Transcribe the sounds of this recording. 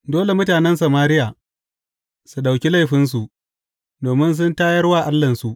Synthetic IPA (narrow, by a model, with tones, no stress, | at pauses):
doː˦le˨mʊ˦taː˨nɛ˦ns̬ɐ˨maː˦ɾɪ˦jaː˨ | su˨ɗa˨wkʲi˦la˦jɸɪ˦ns̬u˨ʔ | doː˨mɪ˦ns̬ʊ˦ntaː˦jɐ˦rwaː˦˨ʔa˦lːɐ˨nsu˨ʔ